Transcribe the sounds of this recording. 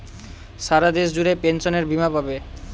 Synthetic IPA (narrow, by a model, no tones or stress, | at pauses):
ʃaɾad̪eʃd͡ʑuɾepenʃoneɾbimapabe